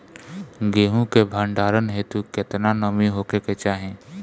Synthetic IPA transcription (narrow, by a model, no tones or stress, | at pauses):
ɡeːɦũkebʱaɳɖaːɾənɦeːt̪uket̪nanəmiɦokeket͡ʃaːɦẽː